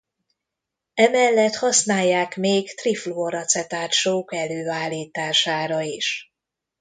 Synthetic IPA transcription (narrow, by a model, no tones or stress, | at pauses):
ɛmɛlːɛt̪hɒsnaːjːaːkmeːkt̪rifloːɾɒt̪sɛt̪aːʃoːkɛløːaːlːiːt̪aːʃaːɾɒiʃ